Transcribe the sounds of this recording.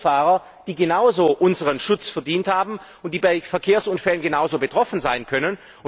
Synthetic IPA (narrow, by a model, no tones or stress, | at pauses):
faːʁɐ | d̥iːɡenaʊzoːʔʊnzəʁənʃʊt͡sfɛɐdiːnthaːbm̩ʊntd̥iːbaɪfɛɐkʰeːɐsʔʊnfɛlənɡənaʊzoːbətʁ̥ɔfn̩zaɪnkʰœnən | ʊ